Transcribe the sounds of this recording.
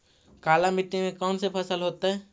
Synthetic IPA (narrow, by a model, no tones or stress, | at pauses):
kaːlamɪʈnemẽkɔːnsepʰəsəlɦoːt̪aɦɛː